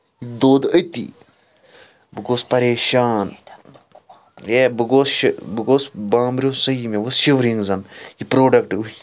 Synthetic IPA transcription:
id̪oːd̪ət̪ḭ | bɨɡoːspɐɾeːʃaːn | jebɨɡoːsʃbɨɡoːsbãːmbɾʲjoːssɐimeʋosʃiʋɾiŋɡzɐnjipɾoːɖɐkʈu

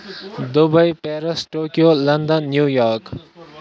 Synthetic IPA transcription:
d̪ubʌjpeɾʌsʈokijolʌnd̪ʌnːjujɔɾk

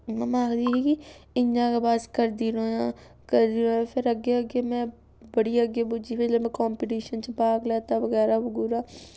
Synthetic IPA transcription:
mɛmãːɡd̪ikikiɪɲd͡ʒãkebaːskɐɾd̪iːɾo | kɐɾd̪iɾõefʰɪɾɐɡeɐɡemɛ̃ | bɐɽiɐɡebʊd͡ʒifɪlemɛ̃kɔːmpɪʈiːʃənt͡ʃebaːɡleːt̪aʋɐɡɛːɾabʊɡuɾaː

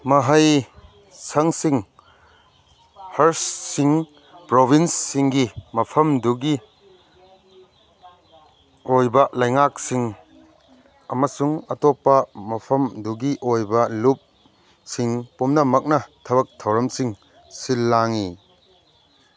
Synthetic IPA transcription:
mɐɦɐj | sɐŋsiŋ | hɐɾsːiŋ | pɾobʱinsːiŋɡimɐpʰɐmduɡi | ojbɐlɐjŋak̚siŋ | ɐmɐsuŋɐtopːɐmɐpʰɐmduɡiʔojbɐlup̚ | siŋpumnɐmɐk̚nɐtʰɐbɐk̚tʰɐwɾɐmsiŋ | silːaŋi

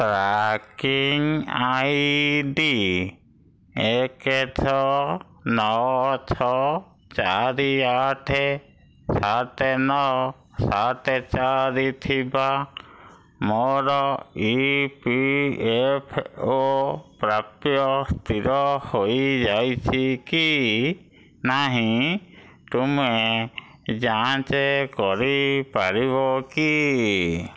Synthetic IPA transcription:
tɾakiŋajdi | ɛketʰɔ | nɔwt͡ʃʰɔ | t͡ʃaɾiaʈʰɛ | sat̪ɛnɔ | sat̪ɛt͡ʃaɾit̪ʰiba | mɔɾɔipiepʰopɾapjɔst̪ʰiɾɔhoid͡ʒajt͡ʃʰiki | naɦĩ | t̪ume | d͡ʒaãt͡ʃekɔɾipaɾiboki

